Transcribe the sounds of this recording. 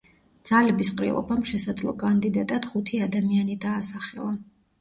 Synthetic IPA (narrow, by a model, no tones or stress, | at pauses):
d̪z̥alɛbisqʼɾḭɔ̰bamʃɛsad̪zlˠɔ̰kʼand̪id̪at̪ʼad̪̥χut̪ʰiad̪amianid̪aːsaχɛ̰lˠa